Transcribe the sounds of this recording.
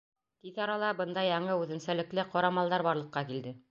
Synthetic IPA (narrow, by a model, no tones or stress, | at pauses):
t̪iθɑɾɑlˠɑbɤnd̪ɑjɑɴɤʉðɘ̆nsælɘ̆klɘqɑɾɑmɑlˠd̪ɑɾbɑɾlˠɤ̆qːɑkild̪ɘ